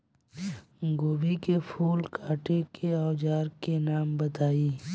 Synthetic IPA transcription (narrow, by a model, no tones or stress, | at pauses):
ɡoːbikepʰuːlkʰaːʈekeɔːd͡ʒaːɾkenaːmbət̪aːiː